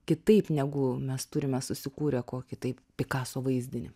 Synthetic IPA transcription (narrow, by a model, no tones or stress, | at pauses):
kʲɪt̪ɐɪpnʲɛɡʊmʲɛst̪ʊɾʲɪmʲɛsʊsʲɪkuːɾʲɛkoːkʲɪt̪ɐɪppʲɪkɑːsoːʋɐɪzʲd̪ʲɪnʲɪ